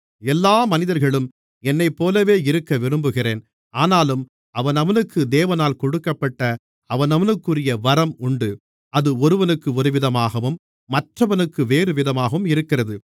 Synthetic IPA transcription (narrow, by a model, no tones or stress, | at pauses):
ɛlːaːmɐnɪðɐɾɣɐɭɯm | ɛnːɐɪpːoːlɐʋeːɪɾɯkːɐʋɪɾɯmbɯɣɪreːn | ʔaːnaːlɯm | ɐʋɐnɐʋɐnɯkːɯd̪eːʋɐnaːlkɔɽɯkːɐpːɐʈːɐ | ɐʋɐnɐʋɐnɯkːɯrɪjɐʋɐɾɐmʊɳɖɯ | ʔɐðɯɔɾɯʋɐnɯkːɯɔɾɯʋɪðɐmaːɣɐʋɯmː | ɐʈrɐʋɐnɯkːɯʋeːɾɯʋɪðɐmaːɣɐʋɯmɪɾɯkːɪrɐðɯ